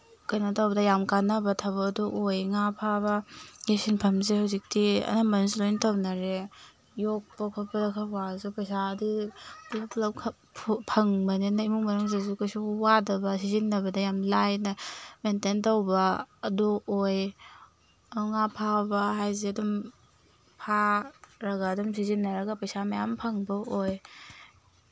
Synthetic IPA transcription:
kɐjnɐtawbɐdɐjamkanɐbɐtʰabɐduʔojŋapʰaβɐɡesinpʰɐmzehawzik̚tiɐ̰namɐnslojntʰawnaɾe | jok̚pakʰapɐdɐkʰɐwazupɐsadiblaplɐpkʰ | pʰpʰɐŋbɐnenɐimuŋmɐɾɯŋzezukajsuwadɐbɐsizinːɐβɐdɐjamlajnɐmententowbɐːduoj | aŋapʰabɐɦajzeɐdum | pʰaɾɐɡaːdumsizinːɐɾɐɡɐpɐjsamɐjampʰɐŋbɐoj

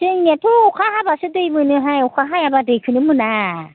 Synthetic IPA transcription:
tɯŋnetʰuukʰaɦabasɯdɯjmɯnɯɦajukʰaɦajabadɯjkʰɯnɯmɯna

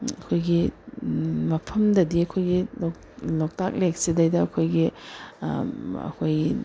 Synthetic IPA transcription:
ɐkʰojɡi | mɐpʰɐmdɐdiɐkʰojɡilok | lok̚tak̚lek̚sidɐjdɐɐkʰojɡi | ɐ̰kʰoji

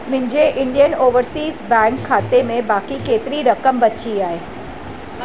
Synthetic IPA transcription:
mɪ̃ɲd͡ʒeʔɪ̃ɳɖijənoːʋəɾsiːzbɛ̃ːŋkʰːaːt̪emẽbaːkikeːt̪ɾiɾɐkəmbɐtt͡ʃiaːeː

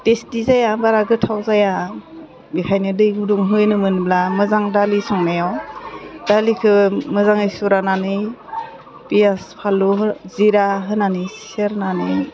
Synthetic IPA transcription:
tesdizajabaɾaɡɯtʰawzaja | bikʰajnɯdɯjɡuduŋɦɯjnɯmɯnblamɯzaŋdalisɔŋnajawd̥alikʰɯmɯzaŋɯjsuɾananɯj | pijaspʰaluziɾaɦɯnanisseɾnanɯ

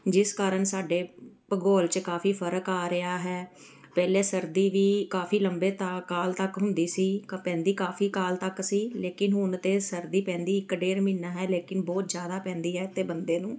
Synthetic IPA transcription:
d͡ʒɪskaːɾəɳsaːɖeː | pəɡoːlt͡ʃkaːfʰiːpʰəɾəkaːɾɪaːɦɛː | pɛːleːsəɾd̪iːʋiːkaːfiːləmbeːt̪aːkaːlt̪əkɦʊnd̪iːsiːkpɛ̃ːnd̪iːkaːfʰiːkaːlt̪əksiːleːkɪnɦʊnt̪eːsəɾd̪iːpɛ̃ːnd̪iːɪkːɖeːɾminːaːɦɛːleːkɪnbɔːt̪zjaːd̪aːpɛ̃ːnd̪iːɦɛːɪt̪ːeːbənd̪eːnũː

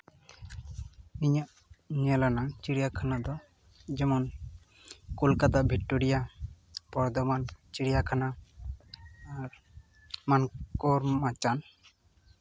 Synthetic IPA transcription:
niɲaʔ | ɲɛlanaŋt͡ʃiɽijakʰanad̪ɔ | d͡ʒɛmɔn | kolkat̪abʱik̚ʈːoɾija | pɔɾd̪ɔbant͡ʃiɽijakʰana | ɾ | mankoɾmat͡ʃan

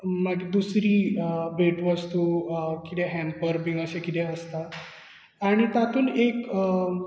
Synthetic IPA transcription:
maɡid̪usɾiːbʱeʈʋəst̪ukit̪ɛ̃ɦɛ̃mpəɾbiŋɡəɕẽkit̪ʰɛəst̪aː | ɽ̃it̪at̪uːnek

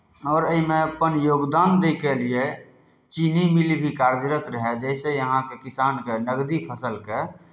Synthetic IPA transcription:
ɔːɾəimẽəpənjoːɡd̪aːnd̪ekelie | t͡ʃinimilibʱikaɾd͡ʒɾət̪ɾəɦɛd͡ʒɛɪsejəɦãkekɪsaːnkenəɡd̪ipʰəsəlke

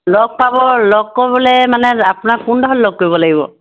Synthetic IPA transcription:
lɔɡ̚pabɔlɔɡ̚kːobɔlɛmanɛapʊnakundɔɦɔlːɔɡ̚ːojbɔlaɡibɔ̰

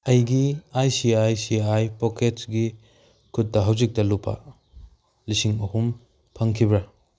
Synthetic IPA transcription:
ɐjɡiajsiajsiajpoketɡi | kʰut̚ːɐɦawzik̚tɐlupʰɐ̰ | lisiŋɐhum | pʰɐŋkʰibɾɐ

